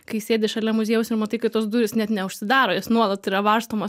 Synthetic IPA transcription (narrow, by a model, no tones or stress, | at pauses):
kɐɪsʲeːdʲɪʃɐlʲɛmʊzʲeɛjʊsɪɾmɐt̪ɐɪkɐɪt̪oɔsd̪uːɾʲɪsnʲɛt̪nʲɛʊʃʲsʲɪd̪ɑːɾoːjɪsnuɔlˠɐt̪iɾɐʋɐrst̪oːmɐs